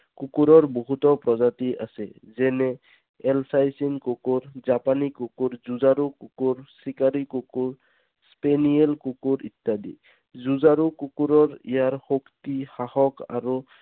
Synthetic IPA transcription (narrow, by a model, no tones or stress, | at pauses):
kukuɾɔɹboɦutɔpɹɔzatiʔa̰sɛ̰zɛnɛ | ɛlsajsinkukuɹzapanikukuɹzuzaɾukukuɹsikaɾikukuɹ | spenielkukuɹit̪ːadḭ | zuzaɾukukuɾɔɹḭjaɹxoktixahɔka̰ɹu